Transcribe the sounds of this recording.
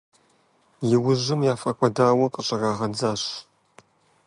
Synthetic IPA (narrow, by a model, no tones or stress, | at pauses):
jɪwʊʑɨmjaːfʼɐkʷʼɐdaːwɐqʼəɕʼɐraːʁɐd͡zaːɕ